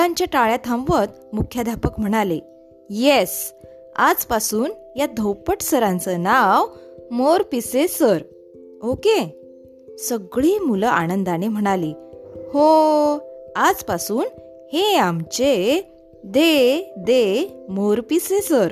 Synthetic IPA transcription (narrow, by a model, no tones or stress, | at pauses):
ãɲt͡ɕjaʈaɭjat̪ʰãmʋət̪ | mukʰjad̪ʱapəkm̤əɽ̃ale | jes | a̰d͡zpasuːn | jad̪ʱəwpəʈsəɾãnt͡sənaʋ | moɾpisesəɾ | oke | səɡɭiːmuləʔa̰nənd̪anem̤əɽ̃aliːho | ad͡zpasuːn | heamt͡ɕe | d̪ed̪emoɾpisesəɾ